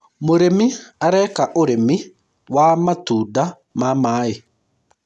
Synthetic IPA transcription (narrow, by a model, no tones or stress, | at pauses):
moɾemiaɾɛkaʔoɾemi | wamatuːda | mamaːe